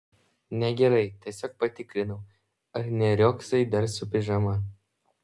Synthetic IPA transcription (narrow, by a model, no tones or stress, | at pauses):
nʲɛɡʲɛɾɐɪt̪ʲɛsʲoːk̚pɐt̪ʲɪkɾʲɪnɐʊ | ɐɾnʲɛɾʲoksɐɪd̪ɐɾsʊpʲɪʒɐmɐ